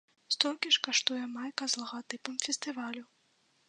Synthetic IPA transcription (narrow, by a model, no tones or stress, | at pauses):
st̪ɔlʲkʲiʂkɐʂt̪ɔjɐmajkɐzlˠɐɣat̪ɨpɨmfʲɛst̪ɨvalʲu